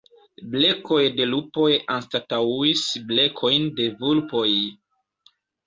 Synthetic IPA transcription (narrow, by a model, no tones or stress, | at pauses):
bleko̞jde̞lupo̞janstatauisble̞kʰo̞jnde̞vulpo̞j